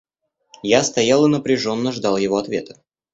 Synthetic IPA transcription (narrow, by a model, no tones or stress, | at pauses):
jast̪ɐjalˠɨnəpɾʲɪʐo̞nːəʐd̪ɑlˠjɪvoɐt̪vʲe̞̰t̪ə̥